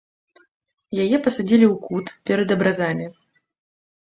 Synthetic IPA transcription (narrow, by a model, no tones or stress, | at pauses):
jajɛpɐsad͡zʲilʲiwkut̪pʲɛɾɐd̪ɐbɾazamʲi